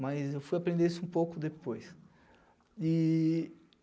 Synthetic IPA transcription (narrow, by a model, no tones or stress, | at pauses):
majzewfujapɾẽd̪eɾisʊũpowkʊd̪epojs | i